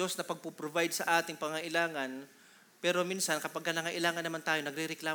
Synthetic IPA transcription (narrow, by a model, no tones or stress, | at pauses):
osnɐpɐɡ̚pupɾobajd̪̚sɐʔaːt̪ɪŋpɐŋɐŋɐʔɪlaːŋɐn | pɛːɾo̞minsɐnkɐpɐɡ̚kːɐnɐŋɐʔɪlaːŋɐnːɐmant̪aːjo̞nɐɡ̚ɾɪɾɛklaː